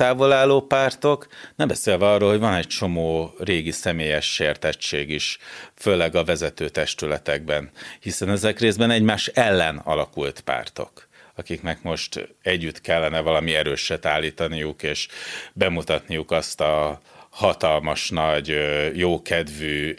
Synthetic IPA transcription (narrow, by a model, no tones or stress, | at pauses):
t̪aːvo̞laːloːpaːrt̪o̞knɛmbɛseːlvɛɒrːoːlɦoɟvɒnɛct͡ʃo̞moːreːɡisɛmeːjɛʃːeːrt̪ɛt͡ʃːeːɡiʃføːlɛɡɒvɛzɛt̪øːt̪ɛʃt̪ylɛt̪ɛɡ̚bɛnhisɛnɛzɛkreːzbɛnɛɟmaːʃɛlːɛnɒ̰lɒkult̪pa̰ːrt̪o̞̰k | ɒkiknɛkmo̞ʃt̪ɛɟːyt̪kɛlːɛnɛvɒlɒmiɛɾøːʃɛt̪aːlːiːt̪ɒnijukeːʃbɛmut̪ɒt̪nijukɒst̪ɒhɒt̪ɒlmɒʃnɒɟjoːkɛd̪vyː